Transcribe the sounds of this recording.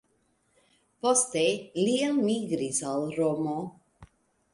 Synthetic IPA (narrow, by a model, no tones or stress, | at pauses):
post̪elialmiɡɾisalɾomo